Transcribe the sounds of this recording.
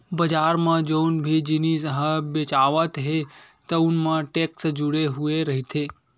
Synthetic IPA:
bəd͡ʒaɾmãd͡ʒonbʱid͡ʒinisəɦəbet͡ʃaʋət̪ɦet̪əunmãʈeksd͡ʒuɽeɦueɾəɦit̪ʰe

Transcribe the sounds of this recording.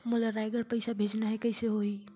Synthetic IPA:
mulaɾajɡəɾpəɪsabʱed͡ʒnaɦɛkəɪseɦoi

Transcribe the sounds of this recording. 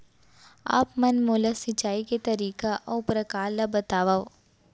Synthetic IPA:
a̰ːpmɐnmoːlasɪt͡ʃaːiket̪ɐɾiːkaʔɔːʊpɾɐkaːlabɐt̪aːʋao

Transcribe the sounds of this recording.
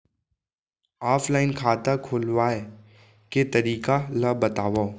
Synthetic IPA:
aːfʰlaːɪnkʰaːt̪akʰʊlwaːe | ket̪ɐɾiːkalɐbɐt̪aːʋa

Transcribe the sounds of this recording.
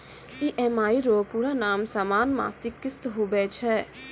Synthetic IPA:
iʔɛmaːiɾoːpuɾanaːmsaːmaːnma̰ːsɪkːɪst̪ɦubɛːt͡ʃʰɛ

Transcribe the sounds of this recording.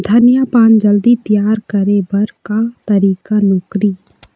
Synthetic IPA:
d̪ʱənjapãːnd͡ʒəld̪it̪ɪjaːɾkəɾebɐɾkat̪ɐɾiːkanoːkɾi

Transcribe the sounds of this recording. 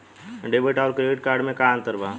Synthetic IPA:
ɖebəʈaːɾkɾeɪʈ̚kaːɾɖmẽkaə̃nt̪əɾbaː

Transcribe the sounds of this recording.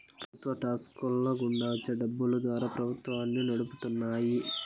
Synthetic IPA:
pɾɐut̪ʋɐʈaːskulːoɡuɳɖaːt͡ʃɐɖɐbːulud̪ʋaːɾaːpɾɐbʱut̪ʋaːnːinɐɽuput̪unːaːji

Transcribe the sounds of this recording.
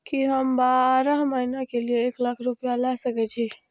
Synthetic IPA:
kiɦɐmbaːɾaɦmaɪnakelieːklakʰɾʊpjalasɐkɛt͡ʃʰiː

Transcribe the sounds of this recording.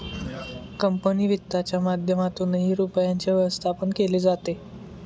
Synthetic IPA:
kəmpəniːʋit̪ːat͡ɕjamad̪ʱjəmat̪unɦiːɾupjaɲt͡ɕaʋəʋəst̪ʰapəɳkeliːd͡zat̪e

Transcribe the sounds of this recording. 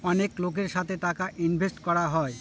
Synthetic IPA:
ɔneklok̬eɾʃat̪ʰeʈakaʔinbʱesʈkɔɾaɦɔe

